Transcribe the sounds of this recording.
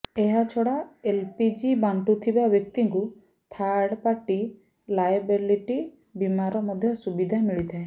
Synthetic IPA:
eɦat͡ʃʰɔɽaelpid͡ʒibaɳʈut̪ʰibabjɔk̚t̪iŋku | t̪ʰaɽpaʈi | lajbeliʈi | bimaɾɔmɔd̪ʱjɔsubid̪ʱamiɭit̪ʰae

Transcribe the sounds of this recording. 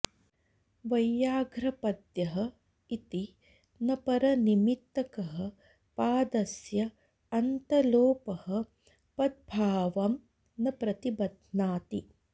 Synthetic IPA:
ʋɐjːaːɡɾɐpɐd̪jɐɦɐ | it̪i | nɐpɐɾɐnimit̪ːɐkɐɦɐ | paːd̪ɐsjɐ | ɐnt̪ɐloːpɐhɐ̆ | pɐd̪̚bʱaːʋɐm | nɐpɾɐt̪ibɐd̪ʱnaːt̪i

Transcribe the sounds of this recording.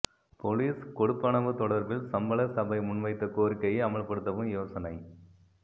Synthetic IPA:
pɔliːskɔɽɯpːɐɳɐʋɯt̪ɔɽɐɾbɪlsɐmbɐɭɐsɐbɐɪmʊɳʋɐɪt̪ːɐkoːɾkːɐjeɐmɐɭpɐɽɯt̪ːɐʋɯmjoːsɐnɐɪ

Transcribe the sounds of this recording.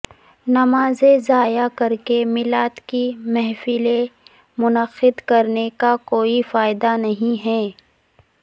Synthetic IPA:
nɐmaːzezaːjakɐɾkemɪlaːt̪kimɛɦfɪle | mʊnəqɪd̪kɐɾnekakoːifaːɪd̪anɐɦĩɦɛː

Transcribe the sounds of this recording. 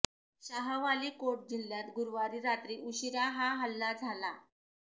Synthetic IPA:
ɕaɦəʋaliːkoʈ̚d͡ʑilːjat̪ɡuɾʋaɾiːɾat̪ɾiːʔuɕiɾaɦaɦəlːad͡zʱala

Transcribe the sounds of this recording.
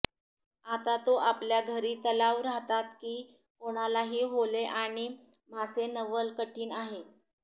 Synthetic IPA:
at̪at̪oʔapljaɡʱəɾiːt̪əlaʋɾaɦt̪at̪kiː | poɽ̃alaɦiːɦoleʔaɽ̃i | masenəʋəlkəʈiːnaɦe

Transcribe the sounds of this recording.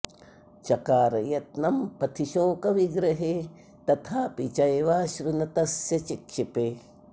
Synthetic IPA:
t͡ʃɐkaːɾɐjɐt̪̚nɐmpɐt̪ʰiʃoːkɐʋiɡɾɐɦeː | t̪ɐt̪ʰaːpit͡ʃɐjʋaːʃɾunɐt̪ɐsjɐt͡ʃikʃipeː

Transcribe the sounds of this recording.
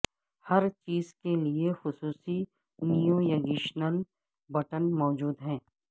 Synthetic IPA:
hɐɾt͡ʃiːzkeliexʊsuːsi | nijõjɐɡiʃnəl | bɐʈənmɔːd͡ʒuːd̪ɦɛ̃ː

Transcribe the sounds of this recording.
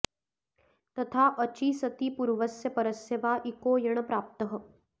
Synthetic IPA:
t̪ɐt̪ʰaːʔɐt͡ʃiːsɐt̪iːpuɾʋəsjɐpɐɾɐseʋaːʔikoːjɐɽ̃əpɾaːp̚t̪əɦə̆

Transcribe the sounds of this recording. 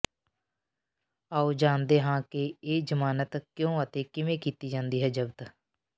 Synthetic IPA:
aːud͡ʒãːnd̪eɦãːkeeːd͡ʒəmaːnət̪kjõːət̪ekɪmẽkiːt̪id͡ʒãːnd̪iːɦɛːd͡ʒəbd̪

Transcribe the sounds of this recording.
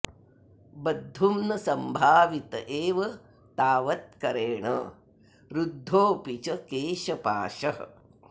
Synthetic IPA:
bɐd̪ʱːumnɐsɐmbʱaːʋit̪ɐ̰ʔeːʋɐ | t̪aːʋɐt̪̚kɐɾeːɳɐ̰ | ɾud̪ʱːoːpit͡ʃɐkeːʃɐpa̰ːʃɐ

